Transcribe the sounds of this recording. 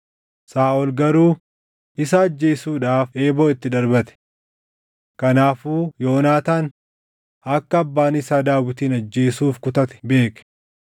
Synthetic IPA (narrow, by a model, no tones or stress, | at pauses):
saːɔlɡɐɾuː | ɪsɐːd͡ʒːe̞ːsuːᶑaːfe̞ːbo̞ːɪt̪ːɪd̪ɐɾbɐt̪ɛ̥ | kɐnaːfuːjoːnaːt̪aːn | ɐkːɐːbːaːnɪsaːd̪aːwɪt̪iːnɐd͡ʒːe̞ːsuːfkʊt̪ɐt̪ɛ̥be̞ːkɛ̥